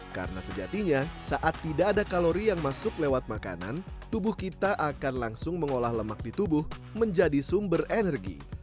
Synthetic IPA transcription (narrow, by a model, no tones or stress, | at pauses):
ka̰rəna̰səd͡ʒa̰t̪iɲasaʔat̪ːidaːdakaloɾijaŋmasʊklewat̪̚maka̰na̰nt̪ubʊhkit̪aʔakanlaŋsʊŋməŋolahləmak̚dit̪ubʊhməɲd͡ʒadisʊmbərenɛrɡḭ